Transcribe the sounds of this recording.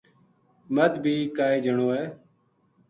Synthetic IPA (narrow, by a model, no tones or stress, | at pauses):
məd̪bʱiːkaːeːd͡ʒʱəɳoːɛː